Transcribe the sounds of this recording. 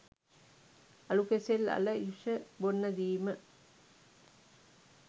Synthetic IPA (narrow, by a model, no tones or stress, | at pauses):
ɐlukeselɐ̰ləjuʂəbonːɐd̪iːmə